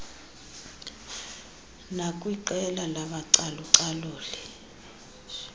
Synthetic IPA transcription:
nakʼwiǃɛlalaɓaǀaluǀaloːli

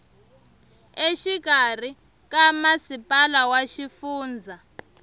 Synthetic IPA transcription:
eʃikar̤i | kamasipʼalawaʃifuːnd͡zʱa

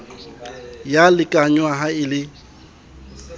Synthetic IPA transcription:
jalɪkʼaɲwaɦaɪlɪ

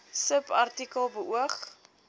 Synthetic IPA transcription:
səpɐrtikəlˠbəuəχ

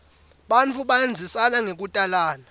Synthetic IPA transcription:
ɓant͡fʰuɓaend͡zʱisanaŋek̬utʼalaːna

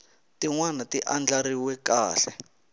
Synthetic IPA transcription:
tiŋwanatiʔand͡ɮaɾiwɛkaːɬɛ

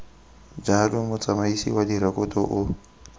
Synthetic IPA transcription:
d͡ʒalʊmʊt͡sʼamaisiwadiɾakʼʊtʼɔ̰ʔʊ

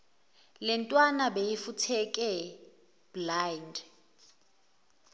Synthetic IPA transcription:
lɛntʼwanabejifutʰɛkʼɛ | b̥land

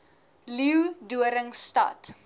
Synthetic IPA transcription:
liwduəɾəŋstɐ̰t

